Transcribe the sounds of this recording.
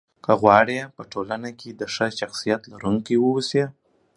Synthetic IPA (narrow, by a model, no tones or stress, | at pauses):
kəɣwɑɽepəʈʰolanaked̪əʂəʃaxsijat̪laɾuŋkiwəwuse